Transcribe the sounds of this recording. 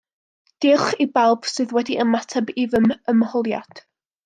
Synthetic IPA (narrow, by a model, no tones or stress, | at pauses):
d̥ɪχibalˠb̥sɨːðwɛdiʔəmatʰabivəməmhɔlˠja̰d̥